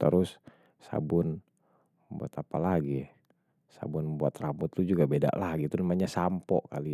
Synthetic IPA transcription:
t̪əɾʊs | sa̰bʊn | bua̰t̪apalaɡi | sa̰bʊnbuat̪rambʊt̪ːud͡ʒuɡabeda̰ʔlaɡit̪unamaɲasampɔkali

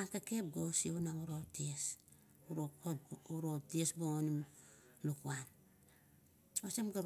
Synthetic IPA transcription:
akakep̚ɡosionauɾoties | uɾokouɾotiesboonim | lukuan | osemɡaɾ

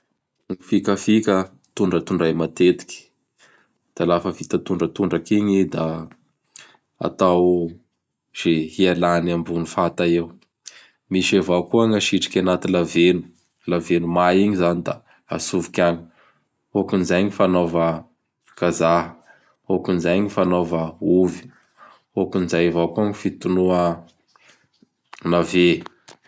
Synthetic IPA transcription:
ŋifikəfikə | t̪uɳɖ͡ʐət̪uɳɖ͡ʐajmat̪et̪i̥kʲi̥ | d̪̥alafəvit̪at̪uɳɖ͡ʐət̪uɳɖ͡ʐəkiɲid̪a | a̰t̪aw | z̥ehialanambunifat̪aew | miʃevakuaŋaʃiʈ͡ʂi̥kʲanat̪ilavenu̥ | lavenumaiɲizanid̪a | a̰suvikʲani̥ | okunizajɲifanovə | kazaɦə̥ | okunizajɲifanovəuvi̥ | okunizajevawkuŋifit̪unuə | nave

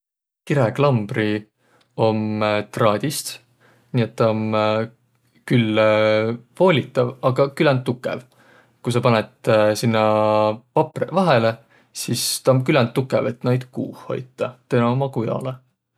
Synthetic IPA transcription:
kiɾeklɑmb̥ri | o̞mt̪rɑːd̪̥ʲist̪ | niːet̪ːɑom | kylː | vo̞ːlʲit̪ːˑɑvɑɡ̥ɑkylænt̪ːukːˑḛv | kujsɑpɑnet̪sinːɑpɑprevɑɦele | sist̪ɑomkylɛnt̪ːukːˑevet̪ːˑnɑjd̪̥kuːhho̞̰jt̪ˑːɑt̪enɑomɑkujɑ̰le

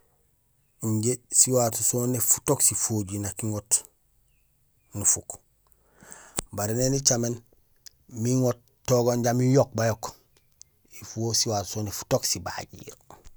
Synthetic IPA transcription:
iɲɟesiwatusoːnefu̥toksifoɟinakiŋot | nufuk | baɾenenit͡ʃamen | miŋot | tːoɡoɲɟamijok̚bajok | ifuwosiwaːtsonefu̥toksiba̰ɟḭːɾ

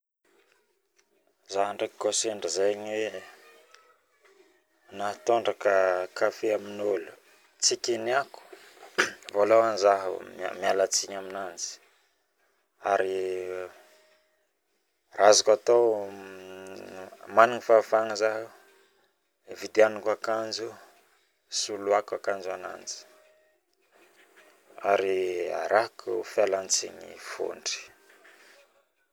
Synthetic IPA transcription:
zaɦaɳɖ͡ʐekiɡoseɳɖ͡ʐəzajaɲwe | naɦat̪oɳɖ͡ʐakəkafeaminolu̥ | t͡sikʲiniaku̥ | volowanizaɦə̰ma̰mialat͡siɲaminand͡zi̥ | aɾi | razakat̪o | maniŋifafaŋəzaɦ | vid̪eanukakand͡ʒu | suluakakand͡ʒuana̰nd͡zi̥ | aɾia̰ɾakufjalant͡siɲḭfo̰ɳɖ͡ʐi̥

